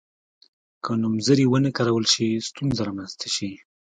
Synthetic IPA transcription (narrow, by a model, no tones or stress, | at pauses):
kʰənumzəɾiwənəkaɾawəlʃist̪unzaɾamanzt̪ʰaʃi